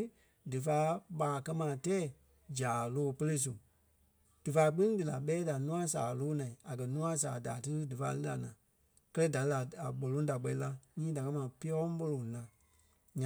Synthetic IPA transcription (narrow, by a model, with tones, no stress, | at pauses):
dɨ˨faː˨˦ɓaː˨kɜ˦mãː˨tɛː˦˨ | d͡ʒaː˨loː˦˨pə˦le˦s̬u˨ | d̥ɨ˨faː˧˦k͡pĩ˦ŋ˦dɨ˨la˨ɓɛː˨˦da˨nũ˦ã˦saː˨loː˦nã˨ĩ˨a˨kɜ˨nũ˦ã˦sa̰ː˨daː˨tɨ˦ɾɨ˦dɨ˨faː˧˦lɨ˦la̰˨nãː˨ | kɜ˦lə˦da˨lla˨a˨ɓo˨lõ˦da˨k͡pɛ˧ĩ˦la˦ɲĩː˦da˨ka˧˦mãː˨pi˦ɔ˦ɓo˧lõ˨lã˨ | ɲã˨